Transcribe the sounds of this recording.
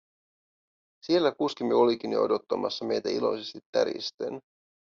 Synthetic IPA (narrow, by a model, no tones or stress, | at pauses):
sie̞lːækuskimːeo̞likinḭo̞̰dot̪ːɑmɑ̰sːɑme̞jt̪æilo̞̰jsest̪it̪ːæɾḭst̪ḛn